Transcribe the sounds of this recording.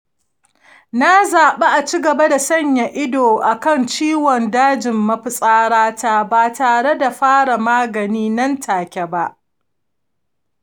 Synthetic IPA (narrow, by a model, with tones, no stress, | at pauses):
na˦zaː˨ɓe˦ʔa˨t͡ʃiː˦ɡɐ˨ba˦da˨sɐ˦˨ɲja˨ʔɪ˦doː˨ʔa˨kɐ˦nt͡ʃiː˦wɔ˨ndaː˦d͡ʒɪ˨mːɐ˦ɸɪ˨sʼaː˦ɽaː˦ta˦baː˨taː˨ɽe˦da˨ɸaː˦ɽa˨maː˦ɡɐ˨niː˦nɐ˦ntʰaː˨kʲɛ˨ba˦ʔ